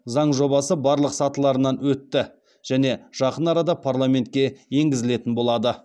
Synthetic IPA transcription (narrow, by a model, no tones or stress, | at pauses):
zɑɴʒo̞bɑsəbɑɾlˠəqsɑt̪əlˠɑɾənɑnwɵt̪ːɪ | ʒ̥æne̞ʒ̥ɑqənɑɾɑd̪ɑpʰarlˠame̞nt̪̚kʲe̞je̞ŋɡʲɪzɪle̞t̪ɪnbo̞lˠɑd̪ə